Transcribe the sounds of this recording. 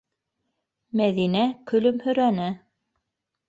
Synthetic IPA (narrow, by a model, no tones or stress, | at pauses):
mæðinækɵ̆lɵmhɵ̆ɾænɘ